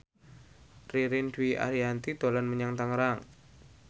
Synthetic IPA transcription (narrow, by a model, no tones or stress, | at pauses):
riɾindwiʔa̰ɾiant̪id̪̥o̤lanməɲaŋt̪aŋɾaŋ